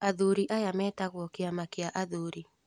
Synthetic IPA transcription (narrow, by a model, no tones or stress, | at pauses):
aðuɾiʔajamɛtaɣwɔkɪamakɪaʔaðoɾi